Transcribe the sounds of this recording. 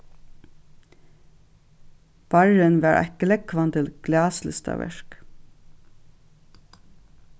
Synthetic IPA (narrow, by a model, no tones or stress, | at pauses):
b̥ɑɹənʋɑːɹʔæ̰kəlɛɡkʰʋɑnt̪ʰɪlɡ̥lɑːslʏst̪ɑ̰ʋæ̰ʃk